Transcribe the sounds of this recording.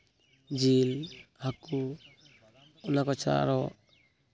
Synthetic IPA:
d͡ʒilhaku | unakɔt͡ʃʰa̰ɾɔʔ

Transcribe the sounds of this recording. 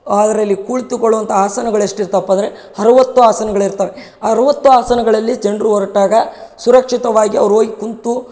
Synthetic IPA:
aːd̪ɐɾɐlːikuːɭt̪ukoɭuʋɐnt̪ʰɐaːsɐnɐɡɐɭeʂʈiɾt̪ɐpːɐnd̪ɾe | hɐɾɐʋɐt̪ːuaːsɐnɐɡɐɭiɾt̪aːɾe | ɐɾɐʋɐt̪ːuaːsɐnɐɡɐɭɐlːid͡ʒeɳɖɾuɔɾɐʈːaːɡɐsuɾɐkʂit̪ɐʋaːɡiɐʋɐɾuoːɡikunt̪u

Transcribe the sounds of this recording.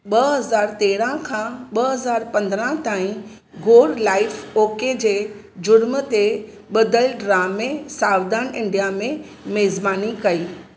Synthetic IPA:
ɓɐɦɐzaːɾt̪eːɽãkʰãːɓɐɦɐzaːɾpɐ̃nd̪ɾãt̪aːĩ | ɡoːɾlaːɪfoːked͡ʑeː | d͡ʑʊɾmət̪e | ɓɐd̪əlɖɾaːmẽsaːʋd̪aːnɪ̃ɳɖijamẽ | meːzbaːnikɐiː

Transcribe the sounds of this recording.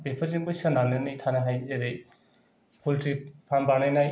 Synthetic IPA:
bepʰaɾziŋbɯjsananɯjnajtʰanaɦajzeɾej | pʰultɾipʰambanajnaj

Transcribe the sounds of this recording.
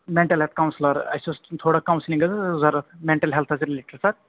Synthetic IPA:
meɳʈɐlɦelt̪̚ʰkɐwnslɐɾɐ̰sost̪ʰoːɽɐkɐwnsliŋɡɐt͡sɐzɐɾɐt̪mẽɳʈɐlɦelt̪ʰɐsɾileʈɐɾsɐɾ

